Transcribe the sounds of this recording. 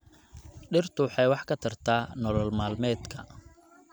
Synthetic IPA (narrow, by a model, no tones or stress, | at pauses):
ɖɪrt̪ʰʊwħɑjwɑħkʰɐt̪ʰɐrt̪ʰaːnɔlɔlmaːlmɛːd̪kʰɐ̰